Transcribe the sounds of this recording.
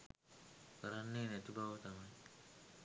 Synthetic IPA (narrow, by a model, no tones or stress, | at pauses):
kəɾanːeːnɛt̪ubaʋət̪amaj